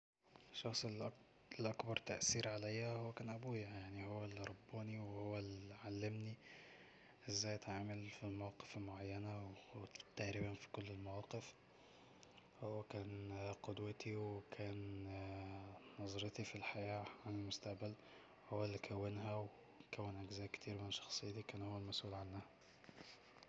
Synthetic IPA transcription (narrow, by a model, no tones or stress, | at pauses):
ʃːɑxsˤ | lʔɑkbɑɾˤt̪aʔsiːɾʕalæjːæhowːækæːnʔæbuːjajaʕnihowːælːiɾˤɑbːuːniwehowːælʕalːɪmni | ʔɪzːæːjt̪ʕaʕmalfilmæwɑːqe̥felmoʕajːænæwt̪ːaʕɾibænfi̥kʊlːelmæwɑːqef | howːækæːnqod̪wæt̪ʰiwkʰæːn | ɑzˤɑɾet̪ifilħajæːʕanelmʊst̪aʔbæl | howːælːikʰæwːɪnɦæwe | kæwːænʔæɡzæːjkt̪ʰiːɾmɪneʃːɑ̥xsˤejːt̪ikæːnhowːælmæsʔuːlʕanːæhæ